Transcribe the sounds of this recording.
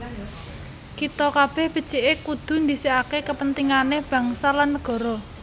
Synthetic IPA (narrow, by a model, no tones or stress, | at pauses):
kit̪ɔkab̥ɛhb̥ə̤d̥t͡ʃiʔekud̪̥ṳnd̪isiakekəpənt̪iŋaneb̥ä̤ŋsalanːəɡ̥ɔ̤ɾɔ